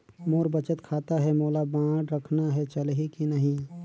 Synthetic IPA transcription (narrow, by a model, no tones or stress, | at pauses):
moːɾbət͡ʃət̪kʰaːt̪aɦɛmoːlabãːɖɾəkʰnaɦɛt͡ʃəlɦikinəɦĩ